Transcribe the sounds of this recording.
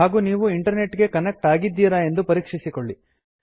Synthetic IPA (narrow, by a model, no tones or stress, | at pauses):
aːɡuːniːʋuiɳʈɐɾne̞ʈːɡe̞kɐnek̚ʈaːɡid̪ːiːɾae̞nd̪upɐɾiːkʂisikoɭːi